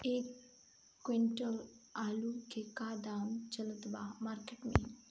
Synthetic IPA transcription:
ekː | ʋeɳʈəlaːlukekaːd̪aːmt͡ʃɐlət̪baːmaːɾkeʈmḛ

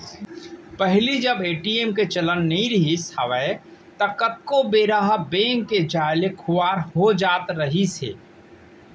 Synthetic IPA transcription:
pəɦlid͡ʒəbeːʈieːmket͡ʃələnːɐĩɾɪɦisəʋɛ | t̪əkət̪̚kobeːɾaɦəbẽːŋkːed͡ʒaːɪlekʰʊwaːɾɦod͡ʒaːt̪ɾəɦisḛː

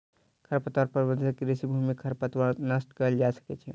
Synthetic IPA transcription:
kʰəɾpət̪aɾpəɾbə̃nd̪ʱəkeɾisibʱumikʰəɾpət̪wəɾnəsʈkəəld͡ʒasə̥kɛt͡ʃʰɛ

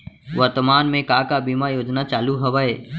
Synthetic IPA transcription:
ʋəɾt̪əmaːnmẽkaːkabimajoːd͡ʒnat͡ʃaːluɦɐʋaeː

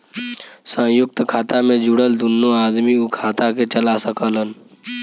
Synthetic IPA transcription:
sə̃jʊk̚t̪kʰaːt̪amẽd͡ʒʊɽəld̪unːoaːd̪miukʰaːt̪aket͡ʃəlasəkələn

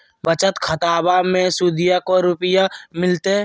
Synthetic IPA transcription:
bət͡ʃət̪kʰət̪aːbamẽsuːd̪ɪjakoɾʊpɪjamɪlt̪e

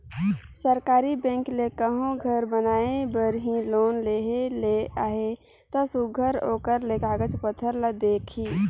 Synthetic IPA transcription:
səɾkaːɾibɛ̃ːŋklekəɦõɡʱəɾbənaːebəɾɦĩloːnleːɦeleaːɦe | t̪ɔsuɡʱəɾoːkəɾlekaːɡət͡ʃpət̪ʰːəɾləd̪eːkʰiː

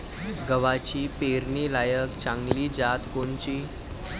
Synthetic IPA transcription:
ɡəʋat͡ɕiːpeɾnilajəkt͡ɕãŋɡliːd͡zat̪kont͡ɕiː

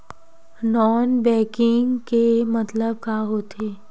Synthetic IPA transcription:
nɔːnbɛ̃ːkɪŋkemət̪ləb̚kaɦoːt̪ʰeː

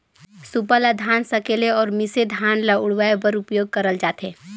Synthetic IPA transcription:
supəlad̪ʱaːnsəkeːleɔːɾmɪsed̪ʱaːnlaʊɽʋaebəɾʊpjoːɡ̚kəɾəld͡ʒaːt̪eː

